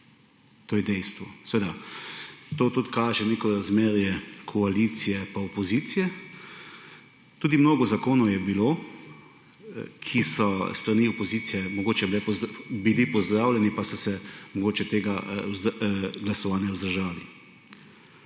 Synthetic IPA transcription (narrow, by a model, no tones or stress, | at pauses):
t̪oːjɛd̪ɛjst̪ʋɔsɛʋeːd̪a | t̪ot̪ut̪kaːʒɛneːkɔɾazmeːɾjɛkʰɔalit̪sijɛpaɔpɔziːt̪sijɛ | t̪uːd̪imnoːɡɔzakoːnɔwjɛbiloː | kʰisɔst̪ɾaniɔpɔziːt̪sijɛmɔɡoːt͡ʃɛblɛpɔbilipɔzd̪ɾaːwlʲɛnipasɔsɛmɔɡoːt͡ʃɛt̪eːɡa | ɡlasɔʋaːnjawzd̪əɾʒaːlḭ